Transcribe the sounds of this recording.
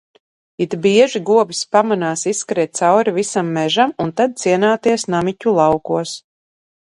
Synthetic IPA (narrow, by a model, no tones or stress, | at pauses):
it̪biɛʒiɡuɔbispamanaːsisːkɾiːt̪̚t̪sawɾivisamːɛʒamunt̪ad̪̚t̪siɛnaːt̪iɛsnamicʲulˠɑwkuɔs